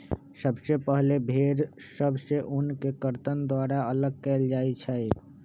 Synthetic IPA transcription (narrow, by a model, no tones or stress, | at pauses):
səbsepəɦlebʱeːɾsəbseʔʊnkekəɾt̪ənd̪waːɾaələɡ̚kɛːld͡ʒaːit͡ʃʰɛ